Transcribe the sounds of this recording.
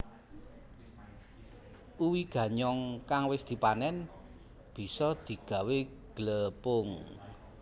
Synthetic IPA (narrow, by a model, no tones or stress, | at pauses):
uwiɡ̥ä̤ɲɔŋkaŋwɪsd̪̥i̤panɛn | b̥i̤sɔd̪̥i̤ɡ̥a̤we | ɡ̥ələpʊŋ